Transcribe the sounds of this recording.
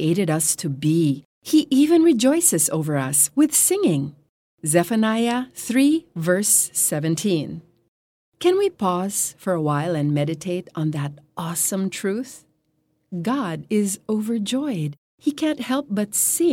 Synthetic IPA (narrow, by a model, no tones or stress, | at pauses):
eɪɾɨɾʌstʰɨbi | iʔivɨ̃nɹid͡ʒɔɪsɨzo̰ʊvə˞ʌ̰swɨð̥sɪ̃ŋɪ̃ŋ | zɛfɨnaɪɨθɹivɜ˞sɛvɨ̃ntʰĩn | kʰɨ̃nwipʰɔz̥fə˞əwaɪlˠɨ̃nmɛɾɨtʰeɪɾn̩ðɨɾʔɔsə̃mtʰɹ̥ʉθ | ɡɑɾɪzoʊvə˞d͡ʒɔɪd̥̚ | hikʰæ̃nʔ̚hɛlˠp̚b̥ʌtsɪ̃